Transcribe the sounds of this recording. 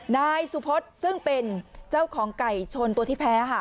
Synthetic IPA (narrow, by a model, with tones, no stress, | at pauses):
naː˧jsu˨˩pʰo˦˥t̪̚sɯ˥˩ŋpe˧nt͡ɕa˥˩wkʰɔː˩˦ŋka˨˩jt͡ɕʰo˧nt̪u˧t̪iː˥˩pʰɛː˦˥kʰa˥˩